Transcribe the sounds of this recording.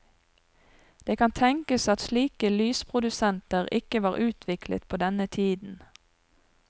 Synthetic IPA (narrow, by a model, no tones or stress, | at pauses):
d̪̥eːkʰɑnt̪ʰɛŋkəsɑt̪sliːkəlyːspʰʁʊd̪ʉsɛnt̪əʁɪkəʋɑːʁʔʉːt̪ʰʋɪklə̰t̪̚pʰoːd̪ɛnət̪ʰiːd̪n̩